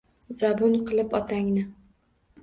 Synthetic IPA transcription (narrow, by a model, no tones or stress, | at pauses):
z̥abʊnqʰɨlˠɪpɒt̪ʰaŋnɪ